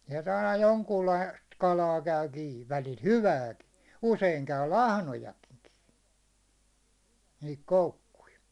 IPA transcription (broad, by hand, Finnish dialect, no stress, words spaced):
sielt ɑinɑ joŋkuːlːɑist kɑlɑː kæy kiː ʋælil hyʋæːki useiŋ kæy lɑhnojɑki̥n̥ ki̥ː nihik koukːui